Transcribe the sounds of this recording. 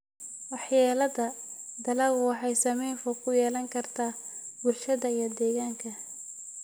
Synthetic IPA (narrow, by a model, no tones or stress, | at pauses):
wɑħjaːlɐðɐd̪ɐlɐɣwɑħɑjsɐmɛjnfɔkʰʊjɛːlɐŋkʰɐrt̪ʰaːbʊlʃɐðɐijɞd̪ɛːɣaːŋkʰɐ